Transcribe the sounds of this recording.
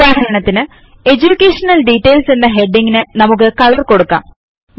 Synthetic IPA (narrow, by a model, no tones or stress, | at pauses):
aːɦɐɾɐɳɐt̪ːinɨ | e̞d͡ʑukʲːeːʂɐnɐlɖiʈːeːlsenːɐɦe̞ɖːiŋɡinɨnɐmuk̬ːɨkɐlɐrko̞ɽukːa̰ːm